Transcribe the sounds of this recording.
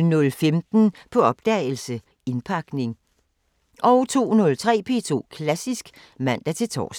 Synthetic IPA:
nɔ̽lfemd̥n̩pʰɒ̽ɒ̽b̥̚d̥ɛl̩sə | e̝npʰɑ̈ɡ̥ne̝ŋ | ʔɒʊt͡sʰo̝̰ːnɔ̽lt͡sʰʁɛ̰ːpʰe̝t͡sʰo̝̰ːkʰlæsisɡ̥ | mæn̰d̥æt͡sʰe̝t͡sʰɒ̰ːs

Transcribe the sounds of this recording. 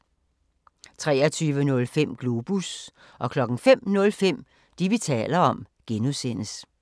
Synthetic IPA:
t͡sʰʁɛːɐt͡sʰyːʋənɔ̽lfem̰ɡ̥lo̝b̥us | ɒ̽kʰlɒ̽ɡ̥ŋ̩fem̰nɔ̽lfem̰ | d̥iʋit͡sʰɛ̰ːlɐɒ̽m | ɡ̥enusen̰əs

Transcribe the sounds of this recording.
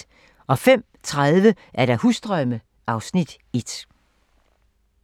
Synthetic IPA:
ɒ̽fem̰ | t͡sʰʁaðˠʋə | ʔæɐɾ̥ɑ̈husd̥ʁœmə | ʔɑ̈ʊsnid̥ | e̝d̥

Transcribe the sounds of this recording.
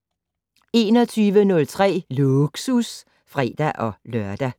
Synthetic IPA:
e̝ːnɒ̽t͡sʰyːʋənɔ̽lt͡sʰʁɛ̰ːluɡ̥sus | fʁɛ̰ːd̥æʔɒ̽lɶɐ̰d̥æ

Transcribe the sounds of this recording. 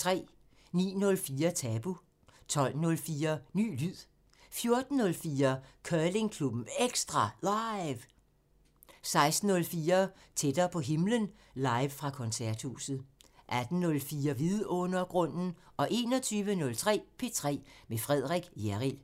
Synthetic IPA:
t͡sʰʁɛ̰ː | nḭːnɔ̽lfiːɐt͡sʰɛːb̥u | t͡sʰɒ̽l̰nɔ̽lfiːɐny̰ːlyð̰ˠ | fjo̝ɐd̥n̩ːɔ̽lfiːɐkʰœːle̝ŋkʰlub̥m̩eɡ̥sd̥ʁɑ̈lɑɪʋ | sɑ̈ɪsd̥n̩ːɔ̽lfiːɐ | t͡sʰed̥ɐpʰɒ̽ɦe̝mlən | lɑ̈ɪʋfʁɑ̈kʰɒ̽nsæɐ̰d̥hṵsð̩ˠʔæd̥n̩nɔ̽lfiːɐʋiðˠɔ̽nɐɡ̥ʁɔ̽n̰n̩ʔɒ̽ʔe̝̰ːnɒ̽t͡sʰyːʋənɔ̽lt͡sʰʁɛ̰ːpʰe̝t͡sʰʁɛ̰ːmefʁɛð̞̰ˠʁɛɡ̥jæʁil

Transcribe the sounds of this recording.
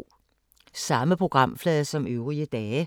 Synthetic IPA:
sɑ̈məpʰʁoɡ̥ʁɑ̈m̰flɛːðˠsɒ̽møʊʁiəd̥ɛːə

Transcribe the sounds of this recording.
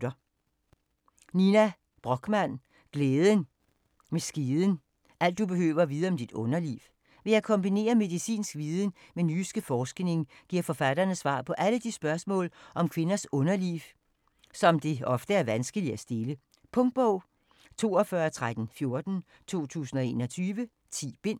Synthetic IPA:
dɐ | ninæ | b̥ʁɒ̽ɡ̥mæn̰ | ɡ̥leːðˠən | mesɡ̥iðˠən̩ | ʔæl̰d̥ːub̥e̝ɦø̰ːʋɐʋiːð̞ˠɐɒ̽md̥id̥ɔ̽nɐlḭːw | ʋe̝jɑ̈ɪkʰɒ̽mb̥ine̝̰ːɐme̝ðˠisḭːnsɡ̥ʋiːðˠən̩menysɡ̥əfɒːsɡ̥ne̝ŋɡ̥iɐ̰fɒ̽fæd̥ɐnəsʋɑ̰̈ːpʰɒ̽ʔæləd̥isb̥ɶɐsmɔ̰̽ːlʔɒ̽mkʰʋe̝nɐsɔ̽nɐlḭːw | sɒ̽md̥e̝ɒ̽fd̥əæɐʋænsɡ̥əliæsd̥e̝lə | pʰɔ̽ŋd̥̚b̥ɔʊ̰ | t͡sʰo̝̰ːɒfɶɐt͡sʰʁad̥n̩fjo̝ɐd̥n̩ | t͡sʰo̝̰ːt͡sʰṵːsn̩ɒ̽e̝̰ːnɒ̽t͡sʰyːʋə | t͡sʰḭːb̥e̝n̰

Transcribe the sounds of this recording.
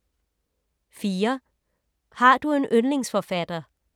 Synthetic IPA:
fiːɐ | hɑ̈d̥ue̝nʔønle̝ŋsfɒfæd̥ɐ

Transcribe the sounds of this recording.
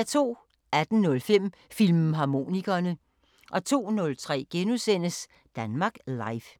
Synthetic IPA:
æɐt͡sʰo̝̰ː | æd̥n̩nɔ̽lfem̰ | filmɦɑ̈mo̝̰ːniɡ̥ɐnə | ʔɒ̽t͡sʰo̝̰ːnɔ̽lt͡sʰʁɛ̰ːɡ̥enusen̰əs | d̥ænmɑ̈ːɡ̥lɑ̈ɪf

